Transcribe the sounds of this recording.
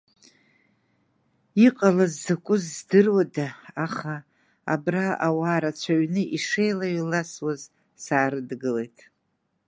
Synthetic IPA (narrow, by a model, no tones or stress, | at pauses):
iqʼalazːakʷʼʊzːdɨrwadaːχa̰ː | braʔawaːɾat͡ɕʷʰaɥnɨʔiʂejlaɥilaswaz | saːɾɨdɡɨle̞jtʼ